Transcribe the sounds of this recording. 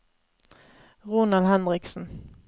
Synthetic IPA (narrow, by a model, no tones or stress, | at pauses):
ʁʊnalɦɛnɾɪksən